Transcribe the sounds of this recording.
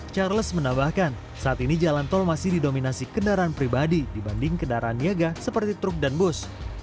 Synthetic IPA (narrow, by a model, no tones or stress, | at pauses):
t͡ʃarləsmənambahkan | saʔːt̪inid͡ʒalant̪ɔlmasɪhdidominasikəndaɾaanpɾibadidibandɪŋkəndaɾʔaːnjaɡasəpərt̪it̪ɾʊk̚danbʊs